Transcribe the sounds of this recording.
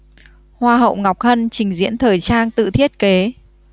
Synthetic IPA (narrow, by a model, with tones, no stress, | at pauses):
hwaː˧ɦə̰˧˨wŋa˨˩wk͡p̚hə˧nt͡ɕï˨˩ŋ̟zḭ˧˥ənt̪ʰəː˨˩jt͡ɕaː˧nt̪ɨ̰˧˨t̪ʰi˦˥ət̚ke˨˦